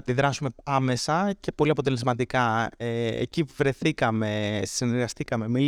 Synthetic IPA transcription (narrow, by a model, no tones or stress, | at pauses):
epiðɾɐsume̞ɐme̞sɐce̞po̞liɐpo̞t̪e̞le̞zmɐt̪ikɐeḛcivɾe̞θikɐme̞sineɾɣɐst̪ikɐme̞mi